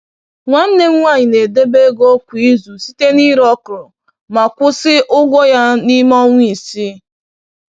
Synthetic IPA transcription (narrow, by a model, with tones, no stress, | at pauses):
ŋʷa˨n̩˦ne˦ŋ̩˦ŋʷa˦˨ɲi˨ne˨de˦be˦ɡo˦kʷu˨i˦zu˨si˦te˦ni˦ɾɔ˦kʊ˨ɾʊ˨ | ma˨kʷʊ˦sɪ˦ʔʊ˦ɡʷɔ˦ja˦ni˦mɔ˦ŋʷ˦i˨si˦